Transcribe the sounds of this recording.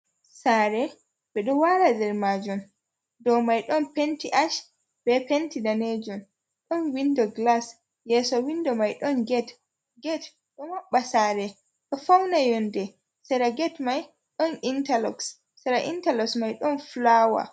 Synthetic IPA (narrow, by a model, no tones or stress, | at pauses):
saːɾɛ | bɛɗɔwaɾadɛɾmad͡ʒɔm | dɔmajɗɔnpentiʔaʃ | b̥ɛpentidaned͡ʒɔn | ɗɔnwindɔɡlas | jɛsɔwindɔmajɗɔnɡɛt | ɡɛt | ɗɔmaɓːasaɾɛ | ɗɔfawnajɔndɛ | sɛɾaɡɛtmaj | ɗɔnintalɔksː | ɛɾaʔintalɔksmajɗɔnflawa̰